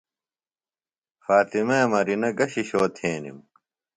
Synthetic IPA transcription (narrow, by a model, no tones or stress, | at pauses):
faːt̪imeːmɐɾinɐɡɐɕiɕoːt̪ʰeːnḭm